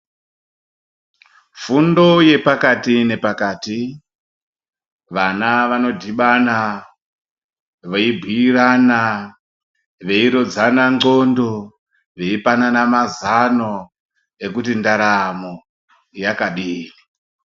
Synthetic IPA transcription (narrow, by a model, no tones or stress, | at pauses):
fundo̞je̞pakatine̞pakaːti | ʋanaʋano̞dʱiɓana | ʋeibʱiirana | ʋe̞iɾo̞d͡zanaŋɡo̞ndo̞ | ʋe̞ipananamazano̞ | e̞kut̬indaɾamo | jakaɗiːri